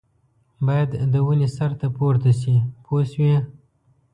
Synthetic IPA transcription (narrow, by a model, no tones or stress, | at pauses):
bɑjad̪ːəwənesaɾt̪apoɾt̪aʃ̬ipʰoswi